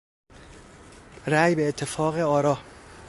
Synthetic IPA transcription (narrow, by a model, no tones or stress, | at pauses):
ɾæjbeːt̪ʰːe̞fɒːɣe̞ɒːɾɒː